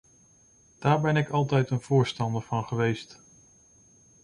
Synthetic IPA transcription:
d̥aːɹbɛnɪkɑlˠtɛjtənv̥ʊːɹstɑndəɹv̥ɑnχəʋejst

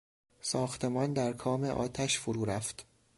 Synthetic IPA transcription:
sɒːxt̪ʰe̞mɒːnd̪æɾkʰɒːme̞ʔɒ̰ːt̪ʰæʃfoɾuːɾæft̪

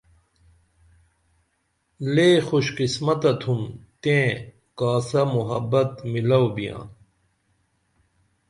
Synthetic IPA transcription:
leːxuɕqismɐt̪ɐt̪ʰumt̪ẽː | kaːsɐmuɦɐbːɐt̪milɐwbijã̰ː

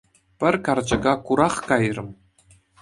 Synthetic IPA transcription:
pʲɘ̆rʲkɑrd͡ʑɤ̆ɡɑkuɾɑχkɑjrɤ̆m

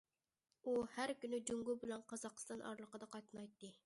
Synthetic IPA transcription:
uhæɾkʲynyd͡ʒuŋɡubɪlɛnqɑzɑqə̥st̪ɑnʔɑ̰ɾlˠəqəd̪ɑqʰɑt̪ɨnɑjt̪ːɨ

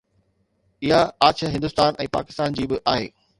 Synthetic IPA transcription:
ɪɦaaːt͡ɕəɦɪ̃nd̪ʊst̪aːnɛ̃ːpa̰ːkɪ̥st̪aːnd͡ʑiːbɪʔaːɦḛː

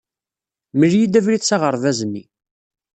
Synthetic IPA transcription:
məljid̪ævɾiθsɑʁəɾˤðæzənːḭ

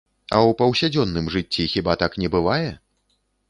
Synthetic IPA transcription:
ɐ̰wpɐwsʲad͡zʲɔnːɨmʐɨt͡sʲːixʲibat̪aknʲɛbɨvajɛ

